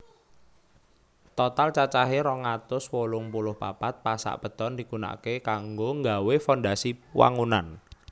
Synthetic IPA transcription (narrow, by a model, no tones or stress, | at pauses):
t̪ɔt̪alt͡ʃat͡ʃaɦeɾɔŋat̪ʊswolʊŋpulʊhpapat̪̚pasa̰ʔpə̤t̪ɔnd̪ikuna̰kekaŋɡoŋɡawefɔndasiwʔa̰ŋunan